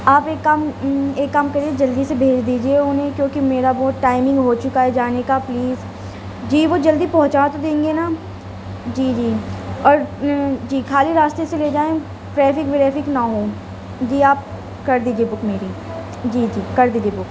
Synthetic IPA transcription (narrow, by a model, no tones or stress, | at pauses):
aːpeːkːameːkːamkɐɾied͡ʒɐld̪isebʱeːd͡ʒd̪iːd͡ʒieʊnɦẽkjõːkimeːɾabɔːt̪ʈaːɪmɪ̃ŋɡɦoːt͡ʃʊkaɦɛd͡ʒaːnekapliːz | d͡ʒiːʋod͡ʒɐld̪ipɐ̃ɦʊ̃t͡ʃaːt̪od̪ẽːŋɡena | d͡ʒiːd͡ʒiːɔːɾd͡ʒiːkʰaːliɾaːst̪eseleːd͡ʒaːẽ | ʈɾɛːfɪkʋeɾɛːfɪknaɦoː | d͡ʒiːaːp̚ | kɐɾd̪iːd͡ʒiebʊkmeːɾi | d͡ʒiːd͡ʒiːkɐɾd̪iːd͡ʒiebʊk